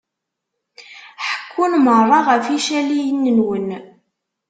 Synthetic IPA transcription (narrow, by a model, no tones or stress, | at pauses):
ħə̥kʰːunmərˤːɑʁəfiʃælijənːənwən